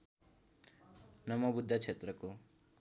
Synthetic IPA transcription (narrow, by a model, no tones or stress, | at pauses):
nʌmʌbud̪ʱːat͡sʰet̪rʌko